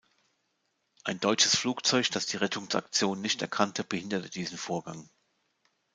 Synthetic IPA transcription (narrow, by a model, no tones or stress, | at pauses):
ʔaɪndɔʏt͡ʃəsfluːkt͡sɔʏçd̥asd̥iːʁɛtʰʊŋsa̰kt͡sjoːnːɪçtɛɐkʰantʰəb̥əhɪndɐtəd̥iːzn̩foːɐɡa̰ŋ